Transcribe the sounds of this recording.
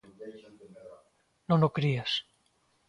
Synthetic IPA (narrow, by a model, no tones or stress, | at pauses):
nõnokɾias